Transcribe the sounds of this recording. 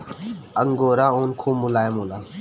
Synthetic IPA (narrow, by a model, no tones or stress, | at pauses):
əŋɡoːɾaːoːnkʰuːmːulaːjemolaː